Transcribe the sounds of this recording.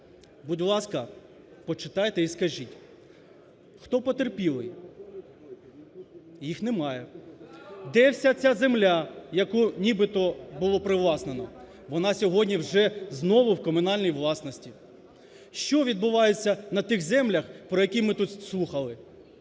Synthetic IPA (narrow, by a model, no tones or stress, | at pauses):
budʲlˠɑskɐ | pɔt͡ʃɪt̪ɑjt̪ɛiskɐʒitʲ | xt̪ɔpɔt̪erpʲilˠɪ | jixnɛmɑjɛ | d̪ɛwsʲat͡sʲazemlʲajɐkunʲibɪt̪ɔbʊlˠɔpɾɪʋlˠɑsnenɔ | ʋɔnɑsʲɔɦɔdʲnʲiwʒɛznɔʋʊwkɔmʊnɑlʲnʲijʋlˠɑsnɔsʲtʲi | ʃt͡ʃɔʋʲid̪̚bʊʋɑjet͡sʲːɐnɐt̪ɪxzɛmlʲɐxpɾɔjɐkʲimɪt̪ut̪slˠuxɐlˠɪ